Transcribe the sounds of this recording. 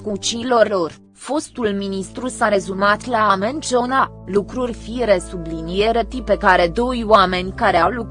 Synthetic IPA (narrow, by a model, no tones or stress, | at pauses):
kut͡ʃilo̞rʲlo̞r | fo̞st̪ulminist̪ɾusaɾe̞zumat̪laːme̞nʲt͡ʃo̞na | lukɾurʲfiɾesublinijeɾət̪ipe̞kaɾe̞d̪o̞jwame̞nʲkaɾeawlu